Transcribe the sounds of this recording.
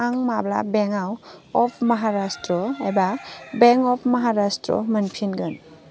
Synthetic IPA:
aŋmabla̰bɛŋawɔpʰməɦaɾastɾɔajbabeŋkɔpʰmɐɦaɾastɾɔ̰mənpʰinɡɯn

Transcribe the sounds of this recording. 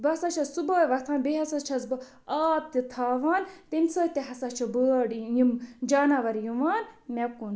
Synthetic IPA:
bɐsat͡ʃʰɐsuboːjʋɐt̪ʰãːnbeɦɐsat͡ʃʰɐsbɐ | aːp̚t̪it̪ʰaːʋaːnt̪inʲsəːt̪iɦɐsat͡ʃʰɐbəɽjimd͡ʒaːnaʋɐɾjuʋaːnmʲɛkun

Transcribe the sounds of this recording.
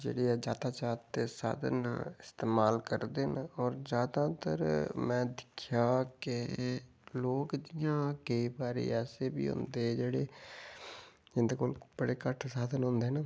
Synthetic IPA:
d͡ʒḛːɽeːɛːd͡ʒaːd̪aːt͡ʃaːt̪eːsa̰ːd̪ənɪst̪eːmaːlkəɾd̪eːnɔːɾzjaːd̪ãːt̪ə̰ɾmɛ̃ːd̪ɪkʰjaːkɪ | loːkd̪ɪjãːkəibaːɾḛːɛːseːbḭːɦʊ̰̃nd̪eːd͡ʒeːɽeː | d͡ʒɪnd̪eːkoːlb̥əɽeːkəʈʰsaːd̪ənɦʊ̃nd̪eːɦnaː

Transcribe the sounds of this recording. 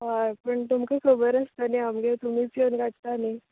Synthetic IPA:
ɦapəɳt̪umkəkʰəbəɾəst̪əneamɡet̪um̤iːpənɡaʈ̚t̪ani

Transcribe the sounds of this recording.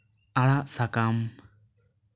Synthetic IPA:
aɭaʔsakam

